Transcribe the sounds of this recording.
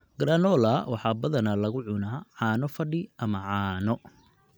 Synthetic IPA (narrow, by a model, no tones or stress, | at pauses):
ɡ̥ɾanɔːlɐwɑħɑːbɐðɐnɐlɐɣʊʕʊnaʕɑːnɔfɐɖɪɐmɐʕɑːnɔ